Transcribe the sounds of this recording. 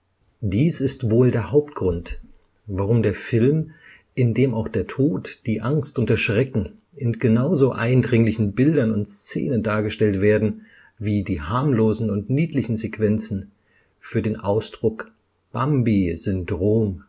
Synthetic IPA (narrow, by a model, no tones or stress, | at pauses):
d̥iːsɪstv̥oːldeːɐhaʊpt̚ɡ̥ʁʊnt | vaʁ̞ʊmdeːɐfɪlm | ʔɪndeːmaʊxd̥eːɐtʰoːtd̥iːʔaŋstʔʊntɛɐʃʁ̥ɛkŋ̩ | ʔɪnɡ̥ənaʊzoːʔa̰ɪndʁɪŋlɪçn̩bɪldɐnʊntst͡sḛːnəndaːɐɡəʃtɛltv̥eːɐdn̩ | viːdiːhaɐmloːzn̩ʊntniːtlɪçn̩zekv̥ɛnt͡sn̩ | fyːɐdeːnʔa̰ʊsd̥ʁʊk | b̥ambiz̥ʏndʁoːm